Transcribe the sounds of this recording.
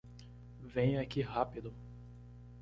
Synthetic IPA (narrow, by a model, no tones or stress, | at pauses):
vẽj̃akihapid̪ʊ